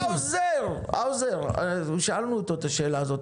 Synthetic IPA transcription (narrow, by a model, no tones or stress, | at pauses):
awzeʁ | awzeʁʃaalnuːt̪oet̪aʃe̞ːlaːzo̞t̪